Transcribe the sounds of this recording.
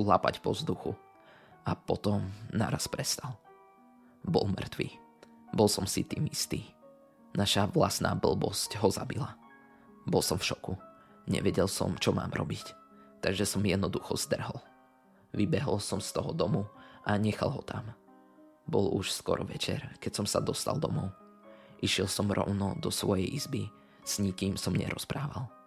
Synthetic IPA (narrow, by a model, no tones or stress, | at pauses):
ulapacpɔzd̪uxu | apɔt̪ɔmna̰ɾaspɾɛst̪al | bɔlmr̩t̪ʋḭː | bɔlsɔmsit̪iːmist̪iː | naʃaʋlasna̰ːbl̩ˠbɔscɦɔzabila | bɔlˠsɔmfʃɔku | ɲɛ̰ʋɛɟɛlsɔ̰mt͡ʃɔma̰ːmɾʔɔ̰bic | t̪aɡʒɛsɔmjɛd̪nɔd̪uxɔzd̪r̩ɦɔl | ʋibɛɦɔlsɔmst̪ɔɦɔd̪ɔmuʔaɲɛxalˠɦɔt̪ʰam | bɔluʃskɔɾʔɔʋɛt͡ʃɛ̰ɾkɛcsɔmsad̪ɔst̪alˠd̪ɔmɔʊ | ʔiʃɪɛlsɔmɾʔɔ̰ʊnɔd̪ɔsʋɔjɛjʔizbi | z̥ɲikiːmsɔmɲɛ̰ɾʔɔspɾaːʋal